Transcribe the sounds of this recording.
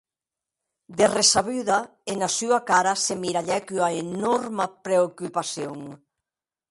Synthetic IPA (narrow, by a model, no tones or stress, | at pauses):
d̪eresaβyðɐ | enɐsuɐkaɾɐsemiɾaʎɛkyaenɔɾmɐpɾeokupaθjoŋ